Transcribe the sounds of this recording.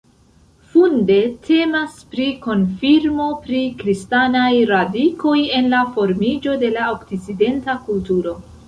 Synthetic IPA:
funde̞tʰe̞maspɾiko̞nfiɾmo̞pɾikɾistanajɾadikʰo̞je̞nlafo̞ɾmid͡ʒo̞de̞laoktit͡side̞ntakultuɾo̞

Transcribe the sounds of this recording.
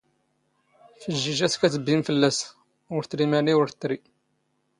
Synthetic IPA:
fəʒːiʒæskæt͡səbːimfəlːæs | ʊɾθɾimæniwəɾt̪ːɾi

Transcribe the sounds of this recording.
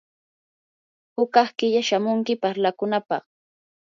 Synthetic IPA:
hʊkɑχkɪʎaʃamʊŋkɪpaɾlakʊnapɑ̰χ

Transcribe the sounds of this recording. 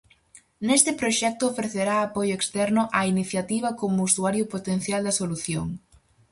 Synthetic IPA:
nest̪ɪpɾoʃɛk̚t̪ʊːfɾeθeɾaːpojʊekst̪ɛɾnʊʔɐiniθjat̪iβ̞ɐkomʊusuaɾjʊpot̪en̟θjald̪ɐsoluθjo̰ŋ

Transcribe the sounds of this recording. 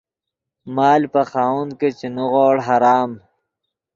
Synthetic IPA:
maːlpɐxaːwun̚ket͡ɕinuɣoːɽɦaɾaːm

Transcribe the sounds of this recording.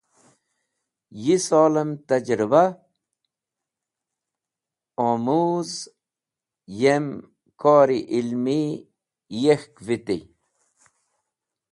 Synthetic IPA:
jisoːlemt̪ɐd͡ʑɾiba | omuz | jem | koːɾiʔilmi | jexkvit̪ḭ

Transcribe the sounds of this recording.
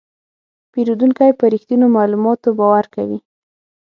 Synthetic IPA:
peɾud̪uŋkajpəɾixt̪unomɑlumɑt̪obɑwaɾka̰wḭ

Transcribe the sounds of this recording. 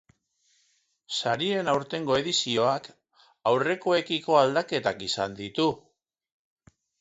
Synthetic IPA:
saɾie̞nawɾt̪e̞ŋɡo̞e̞ðisio̞ak | awre̞ko̞e̞kiko̞ald̪ake̞t̪akisa̰nd̪it̪u

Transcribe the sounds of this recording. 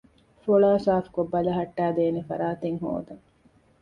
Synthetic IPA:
foɭaːsaːfkobːɐlɐɦɐʈːæːd̪eːnefɐ̰ɾaːt̪eŋɦo̰ːd̪ɐŋ

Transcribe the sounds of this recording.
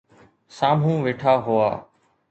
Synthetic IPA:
saːm̤ũːʋeːʈʰaːɦʊa̰ː

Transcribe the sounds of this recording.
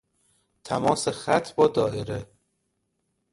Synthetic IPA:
t̪ʰæmɒːsexæt̪ʰbɒːd̪ɒːʔeɾe

